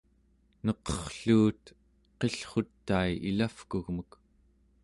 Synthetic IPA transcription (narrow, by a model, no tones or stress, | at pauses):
nʌqʌχɬuːt̪ | qe̞ɬχo̞t̪ːaiilafkuɣmək